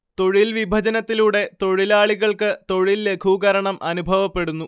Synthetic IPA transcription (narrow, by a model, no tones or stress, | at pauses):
t̪o̞ɻilʋibʱɐd͡ʑɐnɐt̪ːiluːɽe̞t̪o̞ɻilaːɭiɣɐɭkɨt̪o̞ɻilːe̞kʰuɣɐɾɐɳɐmʔɐnubʱɐʋɐpːe̞ɽunːu